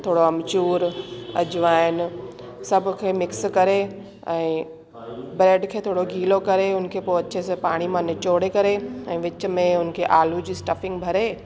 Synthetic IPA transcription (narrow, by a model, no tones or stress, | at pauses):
t̪ʰoːɽoɐmt͡ɕuːɾɐ̰d͡ʑʊʋaːɪn | sɐbʱʊkʰemɪkskɐɾe | ɛ̃ː | bɾeːɖkʰeːt̪ʰoːɽoɡʱiːlokɐɾeʊnkʰepoːɐtːʃʰesepaːɽ̃imãnet͡ɕoːɽekɐɾeɛ̃ːʋɪt͡ɕ̆mẽʊnkʰeʔaːlud͡ʑiːsʈɐfɪ̃ŋɡbʱɐɾeː